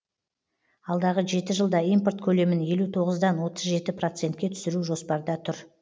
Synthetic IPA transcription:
ɑlˠd̪ɑʁəʒe̞t̪ɪʒəlˠd̪ɑijmpo̞rt̪kʲʰɵle̞mɪnje̞lut̪ʰo̞ʁəzd̪ɑnwo̞t̪əzʒe̞t̪ɪpro̞t̪se̞nt̪̚kʲe̞t̪ʰʏ̥sɪɾuʒo̞spɑɾd̪ɑt̪ʰʊɾ

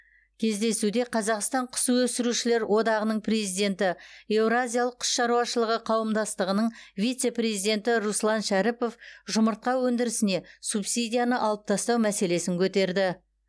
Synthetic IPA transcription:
kʲʰe̞zd̪e̞sud̪e̞qʰɑzɑqst̪ɑɴqʰə̥suwɵsɪɾuʃɪle̞ɾwʔo̞d̪ɑʁənəɴpʰre̞zijd̪e̞nt̪ɪe̞vɾazʲijalˠəqʰːʊ̥sʃɑɾuɑʃəlˠəʁəqʰɑwəmd̪ɑst̪əʁənəɴvʲijt̪se̞pɾe̞zid̪e̞nt̪ɪɾuslˠɑnʃæɾipo̞fʒʊməɾt̪̚qɑwɵnd̪ɪɾɪsɪne̞supsijd̪ʲijanəʔɑlˠəp̚t̪ʰɑst̪ɑwmæse̞le̞sɪŋkʲʰɵt̪e̞ɾd̪ɪ

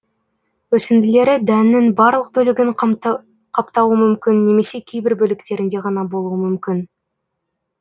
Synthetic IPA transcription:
wɵsɪnd̪ɪle̞ɾɪd̪ænːɪŋbɑɾlˠəq̚bɵlɪɡʲɪɴ | qʰɑpt̪ɑwəmʏmkʲɪnːe̞me̞se̞kʲʰejbɪɾbɵlɪkt̪e̞ɾɪnd̪e̞ʁɑnɑbo̞lˠuəmʏmkʲɪn

